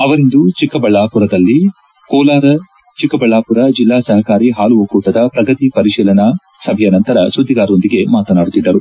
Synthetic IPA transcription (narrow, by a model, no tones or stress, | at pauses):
ɐʋɐɾind̪ut͡ʃikːɐbɐɭːaːpuɾɐd̪ɐlːi | kɔːlaːɾɐ | t͡ʃikːɐbɐɭːaːpuɾɐd͡ʒilːaːsɐɦɐkaːɾiɦaːluʋɐkuːʈɐd̪ɐpɾɐɡɐt̪ipɐɾiʃiːlɐnɐ | sɐbʱɐjɐnɐnt̪ɐɾɐsud̪ʱːiɡaːɾo̞nd̪iɡe̞maːt̪ɐnaːɽut̪id̪ːɐɾu